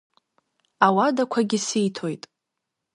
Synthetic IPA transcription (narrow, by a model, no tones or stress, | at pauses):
awadakʷʰaɡʲisejtʰojtʼ